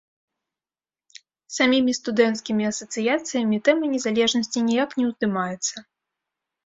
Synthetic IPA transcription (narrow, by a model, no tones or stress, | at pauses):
samʲimʲist̪ud̪ɛnt̪skʲimʲiɐsɐt̪sɨjat̪sɨjɐmʲit̪ɛmɨnʲɛzalʲɛʐnɐsʲt͡sʲinʲijaknʲɛwzd̪ɨmajɛt̪sːɐ